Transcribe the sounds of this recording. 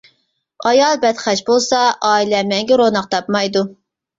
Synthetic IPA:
ɑjɑlˠbɛt̪χæt͡ʃbolˠsɑʔɑːilɛmɛŋɡʲɛɾonɑqt̪ʰɑpmɑjd̪u

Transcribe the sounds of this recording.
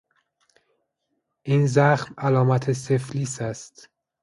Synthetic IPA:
ʔiːnzæxmælɒːmæt̪ʰesefliːsæst̪

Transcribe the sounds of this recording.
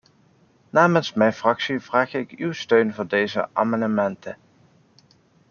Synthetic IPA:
naːmənsmɛjnfrɑksiv̥raːχɪkywstøɥnvʊːɹdejzə̰ʔa̰mɑnəmɛntə

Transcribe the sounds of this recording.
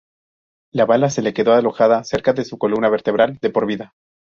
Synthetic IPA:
laβalase̞le̞ke̞ðo̞alo̞xaðase̞ɾkaðe̞suko̞lumnaβe̞ɾt̪e̞β̞ɾald̪e̞po̞ɾβiða

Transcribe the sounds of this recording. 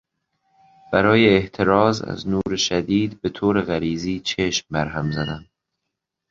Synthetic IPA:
b̥æɾɒːje̞ːht̪ʰe̞ɾɒːzæ̰znuːɾeʃæd̪iːd̪be̞t̪ʰoːɾe̞ɣæɾiːziːt͡ʃʰeʃmbæɾɦæmzæd̪æn

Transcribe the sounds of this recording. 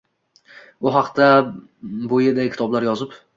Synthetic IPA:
bʊɦɑqt̪a | bojɪd̪akʲʰɪt̪ɒblaɾjɒzɪp

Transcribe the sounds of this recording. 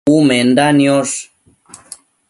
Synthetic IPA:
umend̪anjos

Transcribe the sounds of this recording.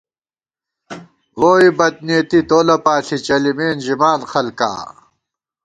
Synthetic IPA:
woːibɐt̪̚neːt̪it̪oːlɐpaːɬit͡ɕɐlimeːnʑimaːnxɐlka̰ː

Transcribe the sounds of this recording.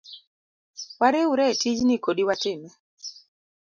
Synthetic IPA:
waɾeuɾɛtid͡ʒnɪkoɗiwatɪmɛ

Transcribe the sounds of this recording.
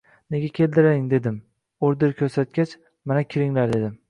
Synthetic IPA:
neɡʲakʲʰe̞ld̪ɪɾaɪŋd̪e̞d̪ɪm | oɾd̪ɪɾkʲʰɵɾsat̪̚kʲat͡ʃ | manakʲʰɪɾɪŋlaɾd̪e̞d̪ɪm

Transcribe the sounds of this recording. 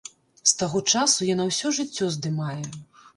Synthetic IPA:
st̪aɣɔt͡ʂasujanawsʲɔʐɨt͡sʲːɔzd̪ɨmajɛ

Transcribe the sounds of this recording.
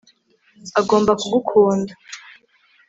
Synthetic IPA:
aɡo̞ːmbakuɡukʰuːnda

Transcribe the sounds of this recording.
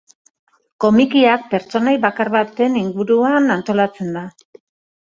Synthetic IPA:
ko̞mikiak̚pe̞ɾt͡so̞najβakaɾβat̪e̞niŋɡuɾuanant̪o̞lat͡se̞nd̪a

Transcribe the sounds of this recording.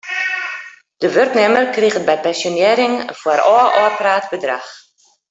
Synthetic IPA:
d̥əʋørknɪmərkriɣət̚bɛjpɛnsjonjɪːɾɪŋv̥oəɾɔːʔɔːpraːtbədra̰x

